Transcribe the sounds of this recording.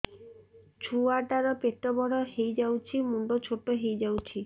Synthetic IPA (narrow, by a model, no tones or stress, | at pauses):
t͡ʃʰuaʈaɾɔpeʈ̪ɔbɔɽɔɦejd͡ʒawt͡ʃʰimuɳɖɔt͡ʃʰoʈɔɦejd͡ʒawt͡ʃʰi